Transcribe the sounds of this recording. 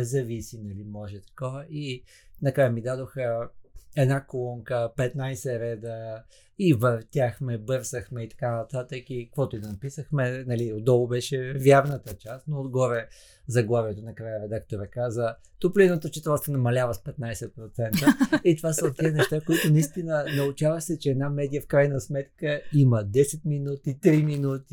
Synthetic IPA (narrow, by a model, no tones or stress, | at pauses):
ɛzɐvisinɐlimɔʒɛt̪ɐ̥kɔvəʔi | nɐkɾajəmid̪ad̪oxəɛd̪nakolˠɔŋkəpɛt̪najsɛɾɛd̪ə | ivɐft̪ʲaxmɛbɤɾsəxmɛit̪ɐ̥kanɐt̪at̪əkikvɔt̪ʊid̪ɐnɐpisəxmɛnɐliod̪ɔlˠʊbɛʃɛvjaɾnət̪ət͡ʃast̪noːd̪ɡɔɾɛ | zɐɡlˠaviɛt̪onɐkɾajəɾɛd̪akt̪oɾəkazə | t̪oplinət̪ot͡ʃɛ̥t̪ɾɔst̪ənɐmɐlʲavəspɛt̪̚najsɛt̪̚pɾot̪sɛnt̪əit̪vasəot̪ːiənɛʃt̪akoit̪ʊnɐist̪inənɐʊt͡ʃavəxsɛt͡ʃɛɛd̪namɛd̪ijəfkɾajnɐsmɛt̪kəiməd̪ɛsɛt̪̚minut̪it̪ɾiminut̪i